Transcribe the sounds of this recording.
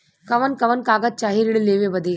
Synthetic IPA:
kɐʋɐnkɐʋɐnkaːɡɐt̪̚t͡ʃaːɦiɾɪɽleːʋebɐd̪eː

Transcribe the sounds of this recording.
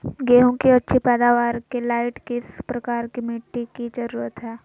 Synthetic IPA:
ɡeːɦõkiɐtːʃʰipɛːd̪aːʋaːɾkelaːɪʈkɪspɾɐkaːɾkimɪʈːikid͡ʒəɾuːɾət̪ɦɛː

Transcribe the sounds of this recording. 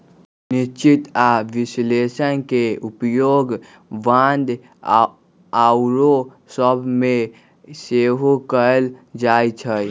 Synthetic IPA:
nist͡ʃit̪aʋislesənkeupjoɡ | band̪ | awɾo | səbʱme | seɦokəld͡ʒajt͡ʃʰəj

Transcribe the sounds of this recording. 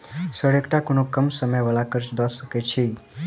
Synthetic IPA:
səɽekʈakoɳ̃okəmsəməjʋəlakəɾt͡ʃd̪ɔsəket͡ʃʰi

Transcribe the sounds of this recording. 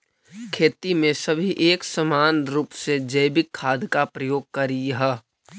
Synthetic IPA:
kʰeːt̪imẽsəbʱiʔeːksəmaːnɾuːpsed͡ʒəjbɪkʰːaːd̪ʱkapɾəjoːɡ̚kɐɾiɦɛ

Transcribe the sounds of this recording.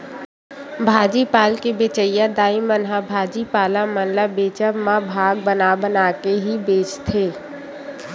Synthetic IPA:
bʱaːd͡ʒipaːlkebeːt͡ʃəjad̪aːimənɦabʱaːd͡ʒipaːlamənlabeːt͡ʃəmãbʱaːɡ̚bənabənaːkeɦibeːt͡ʃt̪ʰeː

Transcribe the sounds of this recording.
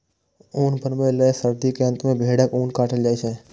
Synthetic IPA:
uːnpənmẽləsəɾd̪ikeə̃nt̪mẽbʱeːɽəkuːnkaːʈəld͡ʒaːet͡ʃʰe

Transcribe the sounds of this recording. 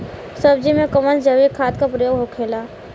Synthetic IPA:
səb̚d͡ʒimẽkəmənd͡ʒəʋikʰaːt̪kapɾəjoːɡɦokʰeːlaː

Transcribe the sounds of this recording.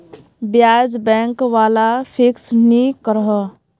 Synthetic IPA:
bjaːd͡ʒbɛ̃ːŋkʋaːlapʰɪksnikəɾɦə

